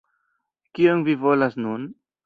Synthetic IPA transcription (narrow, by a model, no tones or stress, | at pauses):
ɡ̥iŋviːvolasnuːn